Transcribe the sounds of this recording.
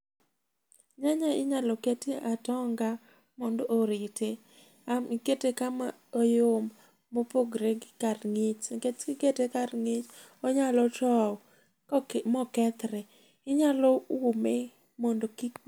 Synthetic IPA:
ɲaɲaɪ̰ɲalɔketiatɔŋɡa | mɔndɔʔoɾite | amiketekama | ojomː | opoɡɾeɡkaɾŋɪt͡ʃket͡ʃiketekaɾŋɪt͡ʃ | ɔɲalɔtɔ | mɔkɛt̪ɾɛ | ɪɲalɔume | mɔndoki

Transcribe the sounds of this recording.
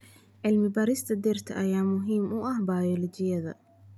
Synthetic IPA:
ʕɪlmɪbɐɾɪst̪ʰɐd̪ɛrt̪ʰɐʔɐjaːmʊɦiːmʊʔɐhbajɔlɔt͡ʃɪjɐðɐ̰

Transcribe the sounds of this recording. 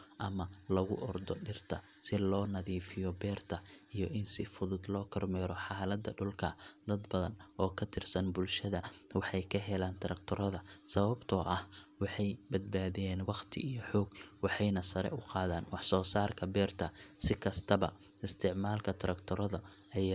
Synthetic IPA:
ʔɐmɐlɐɣʊʔɔrd̪ɔɖɪrt̪ʰɐ | sɪlɔːnɐðiːfɪjɔbɛːrt̪ʰɐʔijɔʔɪnsɪfʊðʊd̪lɔːkʰɐrmɛːɾɔħɑːlɐd̪ɐɖʊlkʰɐd̪ɐd̪bɐðɐnʔɔːkʰɐt̪ʰɪrsɐnbʊlʃɐðɐwɑħɑjkʰɐɦɛlaːnt̪ʰɐɾɐkt̪ʰɔɾɐðɐsɐβɐbt̪ʰɔːʔɐhwɑħɑjbɐd̪̚baːðɪjɛːnwɑqt̪ʰɪ̰ʔijɔħɔːɡwɑħɑjnɐsɐɾɛ̰ʔʊqɑːðaːnwɑħsɔːsaːrkʰɐbɛːrt̪ʰɐsɪkʰɐst̪ʰɐbɐ̰ | ɪst̪ʰɪʕmaːlkʰɐt̪ʰɐɾɐkt̪ʰɔɾɔðɐʔɐja

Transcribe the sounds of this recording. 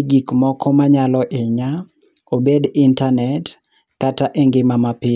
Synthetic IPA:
ɡikmɔkʰɔmaɲalɔʔeɲa | obedintanɛt | kataʔeŋɡɪmamapɪ

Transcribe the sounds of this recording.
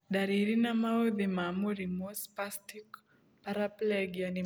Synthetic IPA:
daɾiɾinamaoðimamoɾimospastik | paɾaplɛɡiani

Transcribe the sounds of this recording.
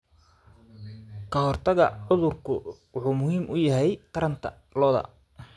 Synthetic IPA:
kʰɐhɔrt̪ʰɐɣɐ̰ʕʊðʊrkʰʊwɑħuːmʊhiːmʔʊjɐɦɛjqɐɾɐnt̪ʰɐ̰ | lɔːðɐ̰

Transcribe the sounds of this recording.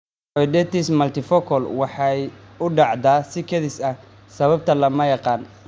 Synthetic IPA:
ɔjd̪ɛt̪ismɐlt̪ʰɪfɔkʰɔlwɑħɑjʊɖɑʕd̪aːsɪkʰɐðɪsɐ | sɐβɐb̚t̪ʰɐlɐmɐjɑqɑːn

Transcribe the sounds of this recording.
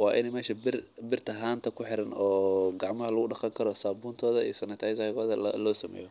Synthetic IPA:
wɑːʔɪnɛmɛːʃɐbɪrbɪrt̪ʰɐɦaːnt̪ʰɐkʰʊħɪɾɐnɔːɡɑʕmɐɦɐlɐɣʊɖɑqɑŋkʰɐɾɔsaːbuːnt̪ʰɔːðɐḭsɐnɪt̪ʰɐjsɐɣɔːðɐlɔːsɐmɛ̰ːjɔ

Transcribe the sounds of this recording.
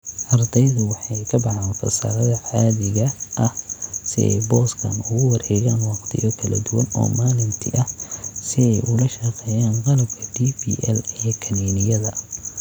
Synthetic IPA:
ʔɐrd̪ɛjðʊwɑħɑjkʰɐbɑʕaːnfɐ̰sa̰ːɾɐðɐʕaːðɪɣɐʔɐhsɪ̰ɛ̰jbɔːskʰɐ̰nʊɣʊwɐrhɛːɣaːnwɑqt̪ʰɪ̰jɔkʰɐlɐ̰d̪ʊwɐnɔ̰ːmaːlɪnt̪ʰɪʔɐhsɪɛjʔʊlɐʃɐqɛːjaːnqɑlɐb̚kʰɐd̪ibḭːʔɛ̰lijkʰɐniːnɪjɐðɐ

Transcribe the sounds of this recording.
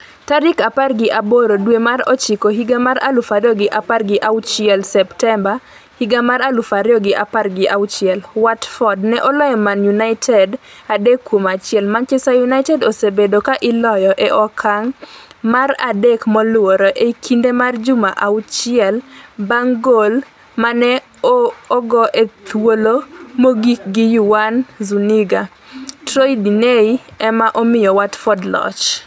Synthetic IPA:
taɾikaparɡɪʔaboɾodwemaɾɔ̰t͡ʃikoɦiɡamaɾa̰lufaɾɪjɔɡɪʔaparɡɪʔawt͡ʃɪɛlsɛptɛmba | hiɡamaɾalufaɾjɔɡɪʔaparɡɪʔawt͡ʃɪɛlwatfɔdnɛʔɔlɔjɔmanjunaɪtʰɛdadekːwomat͡ʃɪɛlmant͡ʃɛsajunaɪtɛdosebedokaʔɪlɔjɔʔeʔɔkʰaŋmaɾa̰dekmɔlʊwoɾoʔekʰindemard͡ʒʊmaʔaut͡ʃɪɛlbaŋɡol | manɛː | ɡɔʔet̪wolomoɡik̚ɡijuwanzuniɡa | tɾojdineiɛmaʔɔmɪjɔwatfɔdlɔ̰t͡ʃ

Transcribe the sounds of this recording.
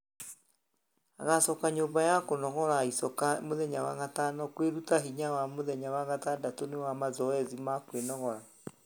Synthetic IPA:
a̰ɣasɔkaɲombajakonɔɣɔɾaisɔkamoðɛɲawa̰ɣatanɔkweɾutaɦiɲawamoðɛɲawaɣatadatonewamazɔɛzimakwenɔɣɔɾa

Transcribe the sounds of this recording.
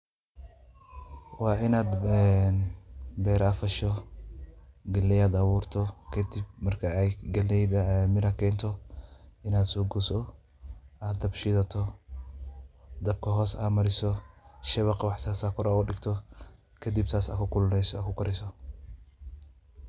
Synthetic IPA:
wɑːʔɪnaːd̪ɛnbɛːɾafɐʃɔ | ɡɐlɛjaːd̪ɐβuːrt̪ʰɔkʰɐd̪ɪbmɐrkʰɐjɡɐlɛjd̪ɐmɪɾɐkʰɛːnt̪ʰɔ | ɪnaːd̪sɔːɡusɔ | ʔaːd̪ɐbʃɪðɐt̪ʰɔ | d̪ɐb̚kʰɐɦɔːsa̰ːmɐɾɪsɔʃɐβɑqwɑħt̪ʰaːsaːkʰɔɾaʊɖɪɡt̪ʰɔ | kʰɐd̪ib̚t̪ʰaːsɐ̰kʰʊkʰʊlnɛskʰʊkʰɐɾɛsɔ

